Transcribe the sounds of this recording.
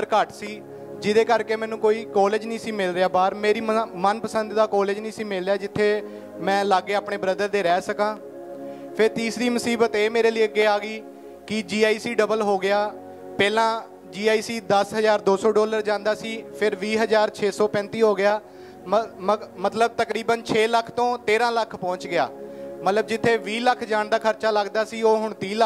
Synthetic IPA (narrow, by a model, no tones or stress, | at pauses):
əɾkəʈsiː | d͡ʒɪd̪eːkəɾkeːmɛ̃ːnũːkoːiːkɔːled͡ʒnĩːsiːmɪlɾejaːbaːɾmeːɾiːmənpəsənd̪d̪aːkɔːled͡ʒnĩːsiːmɪlːejaːd͡ʒɪt̪ʰːeː | mɛ̃ːlaːɡːeːaːpɳeːbɾəd̪əɾd̪eːɾɛːsəkãː | pʰɪɾt̪iːsɾiːməsiːbət̪eːmeːɾeːliːəɡːeːaːɡiː | kɪd͡ʒiːaːiːsiːɖəbəlɦoːɡɪjaː | pɛːlãː | d͡ʒiːaːiːsiːd̪əsɦəzaːɾd̪oːsɔːɖɔːləɾd͡ʒãːnd̪aːsiːpʰɪɾʋiːɦəzaːɾt͡ʃʰeːsɔːpɛ̃ːnt̪iːɦoːɡɪjaː | mət̪ləb̚t̪əkɾiːbənt͡ʃʰeːləkʰːt̪õːt̪eːɾãːləkʰpɔ̃ːɲt͡ʃɡɪja̰ːmət̪ləb̚d͡ʒɪt̪ʰːeːʋiːləkʰd͡ʒãːɳd̪aːkʰəɾt͡ʃaːləɡd̪aːsiːoːɦʊɳt̪iːlə